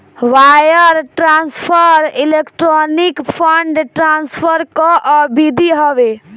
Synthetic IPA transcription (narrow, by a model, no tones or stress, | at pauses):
wajəɾʈɾanspʰəɾilekʈɾɔnikpʰəɳɖʈɾanspʰəɾkɔʔbid̪ʱiɦɔbe